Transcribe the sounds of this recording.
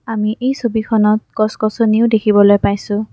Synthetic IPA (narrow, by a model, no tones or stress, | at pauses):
amiʔejsobikʰɔnɔt̚kɔskɔsoniʊdekʰibɔlojpajsʊ̃